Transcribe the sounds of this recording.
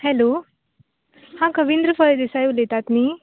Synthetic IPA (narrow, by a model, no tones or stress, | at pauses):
hɛlo | hãkəʋind̪ɾəfəjd̪esajulet̪at̪miː